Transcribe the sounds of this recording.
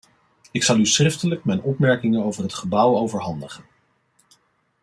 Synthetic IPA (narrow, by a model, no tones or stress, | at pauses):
ɪksɑlˠysχrɪftələkmɛjnɔpmɛɹkɪŋənowvəɹɦətχəbʌwowvəɹɦɑndəχən